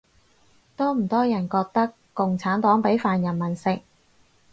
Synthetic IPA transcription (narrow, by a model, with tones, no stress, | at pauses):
t̪ɔː˥m̩˨˩t̪ɔː˥jɐ˨˩nkɔː˧k̚t̪ɐ˥kːʊ˨ŋt͡sʰaː˨˥nt̪ɔː˨˥ŋpe˨˥jfaː˨njɐ˨˩nmɐ˨˩nsɪ˨k̚